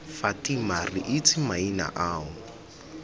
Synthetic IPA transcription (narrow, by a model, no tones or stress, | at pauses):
fatʼimarɪʔɪt͡sʰɪmaina̰ʔaːʊ